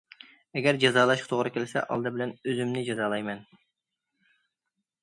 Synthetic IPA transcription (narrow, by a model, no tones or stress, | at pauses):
ɛɡʲɛɾd͡ʒɑzɑːlˠɑʃqʰɑ̥t̪ʰoʁɾɨkʲelɪsɛ̰ʔɑ̰lˠd̪ɨbɪlɛnøzymnɪd͡ʒɑzɑːlˠɑjmɛn